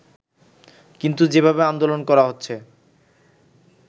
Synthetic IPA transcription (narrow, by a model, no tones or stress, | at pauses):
kint̪ud͡ʑebʱabeand̪olonkɔɾaɦotːɕʰe